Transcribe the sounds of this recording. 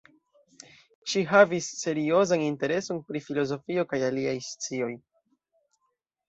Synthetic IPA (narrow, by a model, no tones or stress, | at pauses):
ʃiɦavisːe̞ɾio̞zaninte̞ɾe̞so̞npɾifilo̞zo̞fio̞kajaliajst͡sio̞j